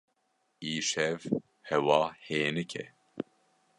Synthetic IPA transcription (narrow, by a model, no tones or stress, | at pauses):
iːʃɛv | hɛwɑːheːnɨkʰɛ̰